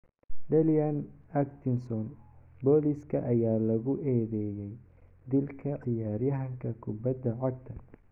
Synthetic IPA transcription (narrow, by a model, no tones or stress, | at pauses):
ɖɐljanɐkt̪ʰɪnsɔn | bɔːliskʰɐʔɐjaːlɐɣʊʔɛːðɛːjɛj | d̪ɪlkʰɐʔɪjaːɾjɐɦɐŋkʰɐkʰʊbɐd̪ɐʕɔɡ̚t̪ʰɐ